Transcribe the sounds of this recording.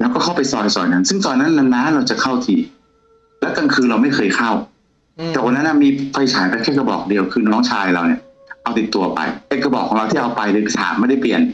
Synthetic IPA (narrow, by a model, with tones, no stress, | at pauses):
ɾa˧wkɔː˥˩kʰwpa˧jsɔː˨˩jsɔ̰ː˨˩jna˦˥˩nsɯ˥˩ŋt̪ɔː˨˧nːa˦˥nːa˧nnaː˦˥nɾa˧wt͡ɕa˨˩kʰa˥˩wt̪ʰiː˨˩ | lɛː˦˥wka˧ŋkʰɯː˧nɾa˧wma˥˩jkʰɤː˧jkʰa˥˩w | t̪ɛː˨˩wa˧nːa˦˥nʔa˥˩miː˧fʰa˧jt͡ɕʰaː˨˩˦jpa˧jkʰɛː˥˩ka˧bɔ̰ː˨˩k̚di˧əwkʰɯː˧nɔː˦˥ŋt͡ɕʰaː˧jɾa˧wni˥˩ɐ | ʔa˧wt̪i˨˩t̪ːu˧ɐpa̰˧jʔeː˦˥˩kːa˧bɔː˨˩kʰɔː˩˦ŋɾa˧wt̪ʰi˥˩ʔa˧wpa˧jlɯː˧jpi˧˩t̪ʰa̰ː˨˦mːa˥˩jda˥˩jpli˨˩ən